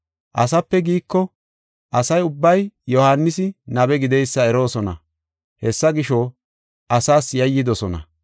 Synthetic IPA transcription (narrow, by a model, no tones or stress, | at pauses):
ʔɐsɐpːɛɡiːkːɔ | ʔɐsɐjʊbːɐjjɔhaːnːɪsɪnɐbɛɡɪd̪ɛjsːɐɛɾo̞ːsɔnɐ̰ | hɛsːɐɡɪʃoː | ʔɐsaːsjɐjːɪd̪ɔsɔnɐ̰